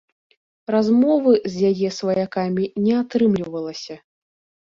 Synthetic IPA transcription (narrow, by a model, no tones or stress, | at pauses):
razmɔvɨzʲjajɛsvɐjakamʲinʲɛat̪ɾɨmlʲivɐlˠɐsʲɐ